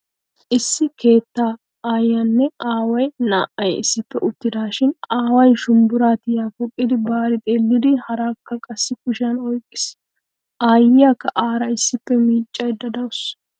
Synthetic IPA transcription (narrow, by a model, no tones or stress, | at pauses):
ʔɪsːɪkʰe̞ːt̪ːaː | aːjːɐnːɛaːwɐjnaːʔɐjɪ̰sːɪpːɛʔʊt̪ːɪd̪aːʃɪnaːwɐjʃʊmbʊɾaːt̪ɪjaːfɔkʼːɪd̪ɪbaːɾɪt̪ʼe̞ːlːɪd̪ɪhɐɾaːkːɐkʼɐsːɪkʊʃɐnɔjkʼːɪ̥s | ʔaːjɪjakːɐʔaːɾɐɪsːɪpːɛmiːt͡ʃʼːɐjd̪ɐd̪ɐwʊs